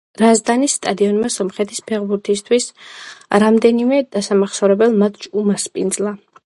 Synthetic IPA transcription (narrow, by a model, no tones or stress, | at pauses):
ɾazd̪anisːt̪ʼad̪iɔnmasɔmχɛt̪ʰispʰɛʁbuɾt̪ʰist̪ʰwis | ɾamd̪ɛnimɛd̪̥asamaχsɔɾɛbɛlˠmat̪ʰt͡ʃʼumaspʼind̪zlˠa